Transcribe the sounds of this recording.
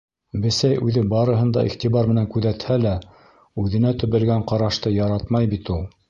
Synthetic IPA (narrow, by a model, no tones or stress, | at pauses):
bɘ̆sæjʉðɘbɑɾɤ̆ɦɤ̆nd̪ɑ̰ʔḭχt̪iβɑɾmɘ̆næŋkʉðæt̪hælæ | ʉðɘ̆næt̪ɵ̆βɘ̆lɡæɴqɑɾɑʃt̪ɤjɑɾɑt̪mɑjbit̪ulˠ